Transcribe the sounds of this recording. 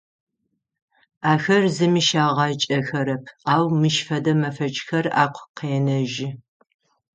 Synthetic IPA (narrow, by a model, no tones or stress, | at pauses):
aːxɐrzɨmiʃaːʁɑt͡ʃʼɐxɐɾɐpʰaːwmɨʃfɐdɐmɐfɐt͡ʃʼxɐra̰ːqʷʰqeːnɐʒɪ